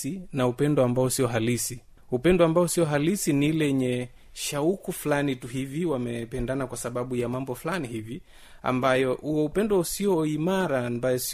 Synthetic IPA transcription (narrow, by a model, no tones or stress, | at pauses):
inaupɛndɔambaɔsiɔɦalisi | upɛndɔambaɔsiɔɦalisinilɛɲɛ | ʃaukufulanituɦiviwamɛpɛndanakwasaɓaɓujamambɔfulanihivi | a̰mbajɔʔuwɛupɛndɔusiɔimaɾambajɔs